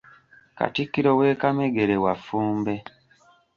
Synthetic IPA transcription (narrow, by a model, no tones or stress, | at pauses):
ka̰tikːiɾowe̞ːkameɡe̞ɾewafuːmbe̞